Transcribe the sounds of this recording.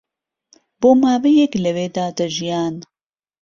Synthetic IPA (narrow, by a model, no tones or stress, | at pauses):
boːmaːvejɛklɐweːd̪aːd̪ɐʒijaːn